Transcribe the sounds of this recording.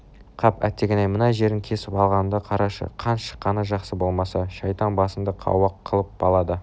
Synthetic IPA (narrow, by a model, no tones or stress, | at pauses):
qʰɑpæ̰t̪ːeɡʲenejmənɑʒe̞ɾɪŋkʲʰe̞sɪpɑlˠʁɑnd̪ɑqʰɑɾɑʃə̰qʰɑnʃə̥qːɑnəʒɑqsəbo̞lˠmɑsɑʃɑjt̪ɑɴbɑsənd̪ɑqʰɑ̰wɑqʰːəlˠəp̚bɑlˠɑd̪ə